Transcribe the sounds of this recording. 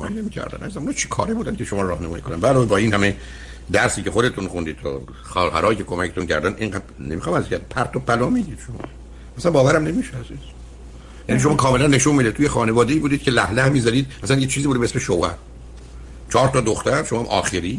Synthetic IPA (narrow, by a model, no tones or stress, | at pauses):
jinemiːcʰæ̰ɾd̪æ̰nʔæzzænmunɑːt͡ʃʰi̥kʰɒ̰ːɾebuːd̪æncʰeʃomɒːɾɾɒːhnæmɒːjiːkʰonænd̪bæloːbɒːinhæme | d̪æɾsiːcʰe̞xod̪e̞t̪ʰunχund̪iːd̪t̪ʰo̰ | xɒːɦæ̰ɾɒːjicʰekʰomæcʰet̪uncʰæ̰ɾd̪æneŋɡæd̪̚nemixɑːmæzkʰæɾd̪ipʰæɾt̪ʰobælɒːmid̪iːd̪̥ʃomɒ̰ː | æsænbɒːvæɾæmne̞miːʃeæziz̥ | jæniʃ̬oɒːkʰɒːme̞lænːe̞ʃunmid̪et̪ʰuːjexɒːnevɒːd̪e̞iːbuːd̪iːd̪kcʰe̞læhlæhmiːzæɾiːd̪̚æsænjet͡ʃʰiːziːbud̪eesmeʃowhæ̰ɾ | t͡ʃʰɒːɾt̪ʰɒːd̪oxt̪æɾʃomɒːmʔɒːxeɾiː